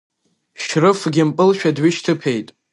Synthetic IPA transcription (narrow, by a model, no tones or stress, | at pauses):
ʃrɨfɡʲɪmpʼɨlʃᶣadɥɪʃtʰɨpʰejtʼ